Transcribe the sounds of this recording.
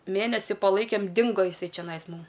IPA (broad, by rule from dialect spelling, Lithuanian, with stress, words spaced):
ˈmʲeːnʲɛsʲɪ pɐˈlˠɐɪkʲeːm ˈdʲɪŋɡoː jɪˈsɐɪ t͡ʃʲɛˈnɐɪs ˈmʊm